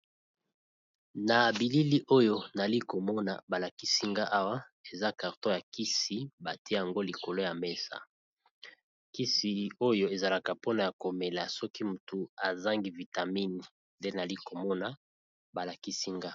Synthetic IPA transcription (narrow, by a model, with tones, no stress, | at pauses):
na˨bi˨li˦li˦ʔo˦jo˦na˨li˦ko˨mɔ˦na̰˨ba˨la˨ki˦si˦ŋɡa˦ʔa˦wa˦ | e˨za˦ka˨ʁtõ˦ja˨ki˦si˨ba˨ti˦e˦ja˨ŋɡo˦li˨ko˨lo˦ja˨me˦sa̰˨ | ki˦si˨o˦jo˦e˨za˨la˨ka˨po˦na˨ja˨ko˨me˨la˨sɔ˦ki˦mu˨tu˨a˨za˦ŋɡi˦vi˨ta˨mi˦ni˨ | nde˦na˨li˦ko˨mɔ˦na˨ | ba˨la˨ki˦si˦ŋɡa˦